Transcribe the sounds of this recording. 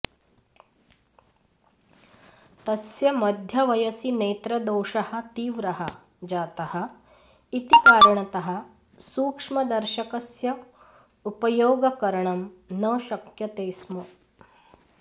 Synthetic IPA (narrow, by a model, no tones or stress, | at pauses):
t̪ɐsjɐmɐd̪ʱjɐʋɐjɐsineːt̪ɾɐd̪oːʂɐhɐ̆t̪iːʋɾɐɦɐ | d͡ʒaːt̪ɐhɐ | it̪ikaːɾɐɳɐt̪ɐɦɐ | suːkʂmɐd̪ɐɾʃɐkɐsjɐ | upɐjoːɡɐkɐɾɐɳɐmnɐʃɐkjɐt̪eːsmɐ